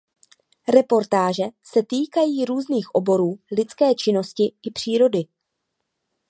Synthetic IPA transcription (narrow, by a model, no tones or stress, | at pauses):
ɾɛpo̞ɾt̪aːʒɛsɛt̪iːkajiːɾuːzniːxʔo̞bo̞ɾuːlɪt͡skɛːt͡ʃɪno̞scɪɪpr̝̥iːɾo̞dɪ